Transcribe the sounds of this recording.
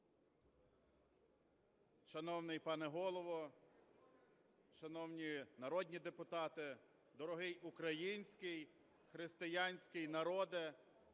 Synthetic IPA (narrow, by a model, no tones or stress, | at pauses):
ʃɐnɔwnɪjpɑnɛɦɔlˠɔʋɔ | ʃɐnɔwnʲinɐɾɔd̪ʲnʲid̪epʊt̪ɑt̪ɪ | d̪ɔɾɔɦɪjʊkɾɐjinʲsʲkɪj | xɾɪst̪ɪjɑnʲsʲkɪjnɐɾɔd̪ɪ